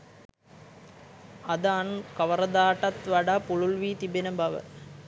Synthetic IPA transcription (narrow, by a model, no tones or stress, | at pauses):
ɐd̪anukɐʋɐɾɐd̪aːʈɐt̪ʋɐɽapuɭulʋiːt̪ibenɐbɐʋɐ̰